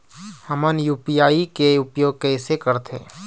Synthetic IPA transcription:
həmənjuːpijaːikeʊpjoːɡ̚kɛːsekəɾt̪ʰḛː

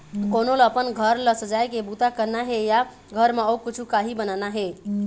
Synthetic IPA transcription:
konoləpənɡʱəɾləsəd͡ʒajkebut̪akəɾnaɦeja | ɡʱəɾmeokit͡ʃʰukaɦibənanaɦe

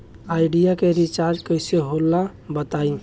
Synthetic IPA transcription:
aɪɖijakeɾit͡ʃaɾd͡ʒkəjseɦolːa | bət̪ai

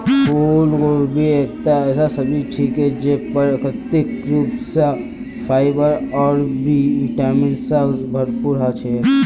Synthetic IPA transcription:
pʰuːlɡoːɾbʱieːk̚t̪aɛːsasɐbʱiʈʰiːkɛd͡ʒepɐɾkət̪ɪkɾuːpsa | pʰaːɪbəɾɔːɾbʱiiʈaːmɪ̃ɳsazbʱɐɾpuɾat͡ʃʰe

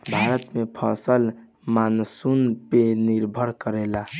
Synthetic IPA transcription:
bʱaɾət̪mepʰə̰səl | mansunpeniɾbʱəɾkəɾela

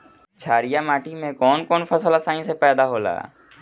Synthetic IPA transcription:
t͡ʃʰaːɾijamaːʈimẽkɔːnkɔːnfəsəlasãːĩsepɛːd̪aɦoːla̰ː

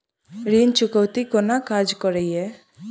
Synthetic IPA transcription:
ɾint͡ʃʊkəwt̪ikɔnakad͡ʒkɔɾeje

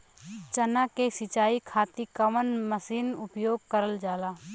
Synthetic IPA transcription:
t͡ʃənakesɪt͡ʃaːikʰaːt̪ikəmənməsiːnʊpjoːɡ̚kəɾəld͡ʒaːlaː

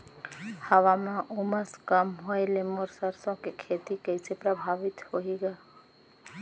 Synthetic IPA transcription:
həʋamãʔuməskamɦojlemoɾsəɾsõkekʰeːt̪ikəɪsepɾəbʱaːʋɪt̪hoiɡa

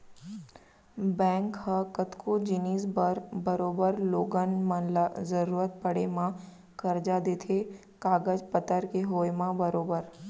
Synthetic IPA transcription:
bɛ̃ːŋkhəkət̪kʰod͡ʒɪniːsbəɾbɐɾoːbəɾloːɡənmənlazəɾuːɾət̪̚pɐɽemã | kɐɾd͡ʒad̪eːt̪ʰe | kaːɡəd͡ʒpət̪əɾkeɦoːemãbəɾoːbəɾ

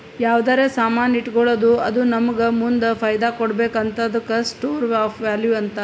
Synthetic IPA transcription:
jaːʋd̪aːɾesaːmaːniʈːɡoɭoːd̪uɐd̪unɐmɐɡɐmund̪ɐpʰɐjd̪aːkɔɽbeːkɐnt̪ʰɐd̪ɐkɐsʈoːɾʋaːpʰʋaːljuɐnt̪ɐ

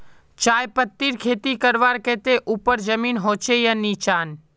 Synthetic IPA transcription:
t͡ʃaːjpət̪ːiːɾkʰeːt̪ikəɾʋaːɾkeːt̪eʔupəɾd͡ʒəmiːnɦoːt͡ʃejənːiːt͡ʃaːn

